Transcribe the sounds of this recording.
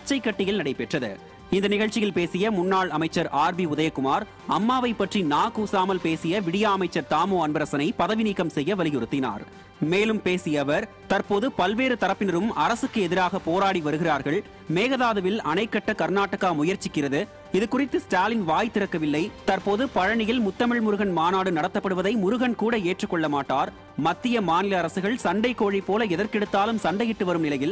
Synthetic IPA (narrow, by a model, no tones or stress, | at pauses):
ɐt͡ʃːɐɪkːɐʈːɪjɪlnɐɽɐɪpɛʈrɐðɯ̰ | ɪnd̪ɐnɪɣɐɭt͡ʃːɪjɪlpeːsɪjɐmʊnːaːɭɐmɐɪt͡ʃːɐɾaːɾbiʊðɐjɐkːʊmaːɾ | ɐmːaːʋɐɪpːɐʈrinaːkuːsaːmɐlpeːsɪjɐʋɪɽɪjaːɐmɐɪt͡ʃːɐɾt̪aːmoːɐnbɐɾɐsɐnɐɪpɐðɐʋɪniːkːɐmsɛjːɐʋɐlɪɣɪɾɯt̪ːɪna̰ːɾ | meːlɯmpeːsɪjɐʋɐɾ | t̪ɐɾpoːðɯpɐlʋeːɾɯt̪ɐɾɐpːɪnɐɾɯmɐɾɐsɯkːɯɛðɪɾaːɣɐpoːɾaːɽiʋɐɾɯɣɪraːɾɣɐɭ | meːɣɐðaːðɯʋɪlɐnɐɪkːɐʈːɐkɐɾnaːʈːɐɣaːmʊjɐɾt͡ʃɪkːɪrɐðɯ | ɪðɯkʊrɪt̪ːɯsʈaːlɪnʋaːjt̪ːɪɾɐkːɐʋɪlːɐɪt̪ɐrpoːðɯpɐɻɐɳɪjɪlmʊt̪ːɐmɐɭmʊɾɯɣɐnmaːnaːɽɯnɐɽɐt̪ːɐpːɐɽɯʋɐðɐɪmʊɾʊɣɐnkuːɽɐeːʈrɯkːɔɭːɐmaːʈːaːɾ | mɐt̪ːɪjɐmaːnɪlɐːɾɐsɯɣɐɭsɐɳɖɐɪkːoːɻipːoːlɐɛðɐɾkɛɽɯt̪ːaːlɯmsɐɳɖɐjɪʈːɯʋɐɾɯmnɪlɐjɪl